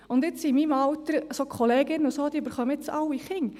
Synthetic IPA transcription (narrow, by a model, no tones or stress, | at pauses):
ʊnd̪ɪt͡simiːmɑwt̪əɾsoːkʰχoleːɡɪnːʊsoːd̪̥iybəɾχœməɪt͡sɑwiχɪŋ